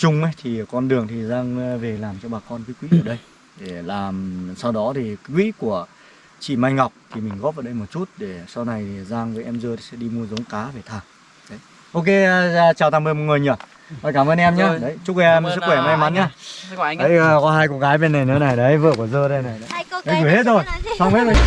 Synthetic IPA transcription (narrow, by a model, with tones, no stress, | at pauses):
t͡ɕʊ˧ŋ͡mə˨˦jt̪ʰi˨˩kɔ˧nɗɨ˨˩əŋt̪ʰi˨˩zaː˧ŋve˨˩laː˨˩mt͡ɕɔ˧ɓaː˨˩kɔ˧nkəː˨˦kwḭ˧˥ʔəː˧˩ɗə˧j | ɗe˧˩laː˨˩msa˧wɗɔ˨˦t̪ʰi˨˩kkwḭ˧˥ku˧˩ə | t͡ɕḭ˧˨ma˧jŋa˨˩wk͡p̚t̪ʰi˨˩mï̟˨˩ɣɔ˦˥p̚ʔaː˧˩ɗə˧jmo˨˩t̚t͡ɕu˦˥t̚ɗe˧˩sa˧wna˨˩jte˨˩zaː˧ŋvəː˨˦jʔɛ˧mzəː˧t̪ʰi̥˨˩sɛ̰˧˥ɗi˧mu˧əzə˨˦wŋ͡mkaː˨˦ve˨˩t̪ʰaː˧˩ŋ | ɗə˨˦j | ʔo˧wke˧t͡ɕaː˨˩wt̪ʰa˧mɓə˧jmo˨˩t̚ŋɨ˨˩jɲə˧˩ | hɔ˨˩jkaː˧˩məː˧nʔɛ˧mɲaː˨˧˦ɗə˨˦jt͡ɕʊ˦˥k̚ʔɛ˧m˧sɨ˦˥kxwɛ˧˩ma˧jma˨˦nɲaː˧˨ɗə˨˦jkɔ˨˦ɦaː˧jkɔ˧˦ɣaː˨˦jɓe˧nːa˨˩jnː˨˦na˨˩jɗə˨˦jvə̰˧˨ku˧˩zəː˧ɗə˧˦na˨˩jɗə˨˦jɗə˨˦jku˧˩˨he˦˥t̚zo˧˩jsa˧wŋ͡mhe˦˥t̚zo˧˩